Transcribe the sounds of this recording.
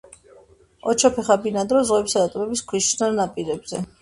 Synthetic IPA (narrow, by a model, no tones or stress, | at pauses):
ɔt͡ʃʰɔpʰɛχabinad̪ɾɔzʁwɛbisad̪at̪ʼɔmɛbiskʰwiʃnanapʼiɾɛbz̥ɛ̰